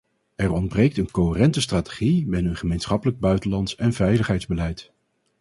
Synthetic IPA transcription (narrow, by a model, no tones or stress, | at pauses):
ɛrɔndbrejk̚tənkoɦərɛntəstraːte̥χibɪnəənχəmejnsχɑpələɡ̚bœɥtəlɑntsɛnvɛjləχɦɛjdzbəlɛjt